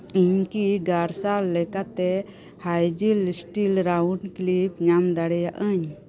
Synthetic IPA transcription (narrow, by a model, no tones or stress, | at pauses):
iɲkiɡaɾsalːɛkat̪ɛ | hajd͡ʒilsʈilɾawɳɖklipɲamd̪aɽɛjaʔəɲ